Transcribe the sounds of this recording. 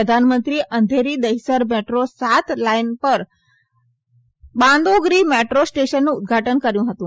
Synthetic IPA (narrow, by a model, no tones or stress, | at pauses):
əd̪ʱanmənt̪ɾiʔənd̪ʱeɾid̪əisəɾmeʈɾosat̪lainpəɾ | bãnd̪oɡɾimeʈɾosʈeʃənːũʊd̪̚ɡʱaʈənkəɾjũɦət̪ũː